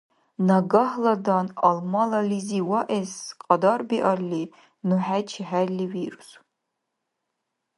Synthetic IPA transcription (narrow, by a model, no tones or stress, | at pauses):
naɡaħladanalmalaliziwaʔesqʼɑdarbiʔarli | nuħat͡ʃʰiħærliwiɾus